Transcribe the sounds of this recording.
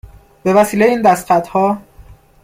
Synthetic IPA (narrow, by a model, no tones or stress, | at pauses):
b̥e̞væsiːlejeiːnd̪æst̪fæt̪hɒː